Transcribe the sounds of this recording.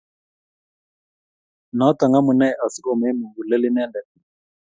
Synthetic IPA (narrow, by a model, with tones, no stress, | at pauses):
nɔ˨˦ta˨ŋɡa˦mu˨nɛ˦˨ʔa˨si˦kɔ˨mɛ˦nu˨ŋɡu˨lɛ˦li˦nɛ˦ndɛ˨